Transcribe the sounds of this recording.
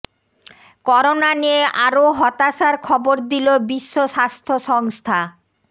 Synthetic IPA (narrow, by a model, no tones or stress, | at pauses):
kɔɾonanieʔaɾoɦɔt̪aʃaɾkʰɔboɾd̪ilobiʃːoʃast̪ʰoʃɔŋst̪ʰa